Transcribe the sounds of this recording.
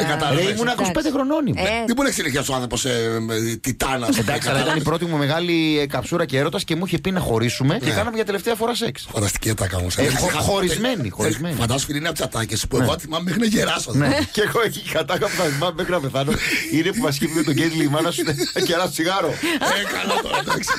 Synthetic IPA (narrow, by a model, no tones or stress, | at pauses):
ekɐt̪ɐeimunɐkospend̪exɾo̞no̞nimðeboɾneçisineçiɐsoɐnθɾopo̞s | t̪it̪ɐnɐsend̪ɐksiɐlɐit̪ɐnipɾo̞t̪imume̞ɣɐlikɐpsuɾɐceeɾo̞t̪ɐsce̞muiçepinɐxo̞ɾisume̞cekɐnɐmeʝɐt̪e̞le̞ft̪eɐfo̞ɾɐse̞ksfoɐd̪ɐst̪i̥ciɐt̪ɐkɐ̰mṵseoxo̞ɾizme̞nḭxoizmenifɐnd̪ɐsinineɐpt̪sɐt̪ɐcespuenoɐt̪θimɐmmexɾineʝeɾɐsoneceɣoeçiexɐt̪ɐkɐpuðɐθimɐmmekɾiɐpe̞θɐnoine̞puvɐs̬civumet̪oɟed̪limɐnɐsuneceɾɐso̥siɣɐɾo̞ekɐlot̪oɾɐd̪ɐksi̥